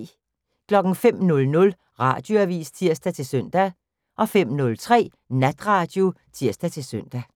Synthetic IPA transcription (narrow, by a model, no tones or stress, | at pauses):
kʰlɒ̽ɡ̥n̩fem̰nɔ̽lnɔ̽l | ʁɑ̈d̥jo̝æʋḭːst͡sʰiɐ̰sd̥æt͡sʰe̝lsøn̰d̥æ | ʔɒ̽fem̰nɔ̽lt͡sʰʁɛ̰ː | næd̥ʁɑ̈ːd̥jo̝t͡sʰiɐ̰sd̥æt͡sʰe̝lsøn̰d̥æ